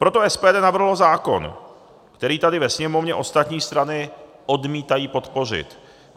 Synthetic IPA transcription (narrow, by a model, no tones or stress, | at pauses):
pɾo̞t̪oɛspɛːdɛːnavr̩ɦlozaːko̞̰n | kt̪ɛɾiːt̪adɪvɛsɲɛmo̞vɲɛʔo̞st̪at̪ɲiːst̪ɾanɪ | ʔo̞dmiːt̪ajiːpo̞t̪po̞r̝ɪ̰t̪